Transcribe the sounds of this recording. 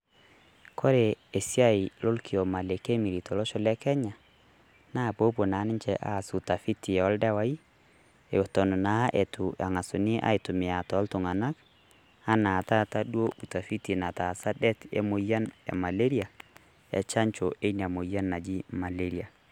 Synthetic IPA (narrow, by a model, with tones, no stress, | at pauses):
kʰɔ˦ɾe˨e˨si˦a˦i˨lo˦lkʰi˨o˨ma˨le˨ke˦mi˨ɾi˨tɔ˨lɔ˦ʃɔ˨lɛ˦kɛ˦ɲa˨ | na˦˨po˦po˨na˨˦nɪ˦ɲt͡ʃɛ˨ʔa˨su˨ta˨fi˦ti˨ɔ˨˦lda˦wa˦i˦ | e˨wɔ˨tɔ˨n˨na˨˦ʔe˨tu˨a˨ŋa˨su˨ni˦ʔa̰˦i˨tu˨mɪ˨a˨tɔ˨˦ltu˨ŋa˨na˦k | a˦na˨ta˦ta˦dwo˦u˨ta˨fi˦ti˨na˨ta˨sa˦dɛ˦tḛ˦mo˨ja˦nja̰˨ma˨le˦ɾi˦a˨ | ɛ̰˨t͡ʃa˦ɲt͡ʃo˨e˦n˨a˨mo˨ja˦nːa˨d͡ʒi˦ma˨le˦ɾi˨a˨